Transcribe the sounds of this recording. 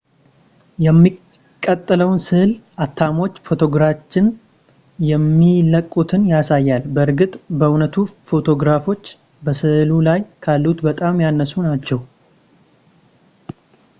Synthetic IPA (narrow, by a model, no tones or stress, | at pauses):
jɛmːi | kʼːət̪ʼːləwnsɨhlʔat̪ʰːamo̞t͡ʃːfo̞t̪ʰo̞ɡɾat͡ʃːɪn | jɛmːiləkʼːut̪ʰɨnjasajːalbəɨɾɡɨt̪ʼbəunət̪ʰufo̞t̪ʰo̞ɡɾafo̞t͡ʃː | bəsɨhlulajkʰalːut̪bət̪ʼamjanːəsunat͡ʃːɛw